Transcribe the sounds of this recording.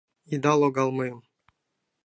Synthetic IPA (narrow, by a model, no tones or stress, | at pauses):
id̪ɑlˠoɡɑlˠmɤjɤm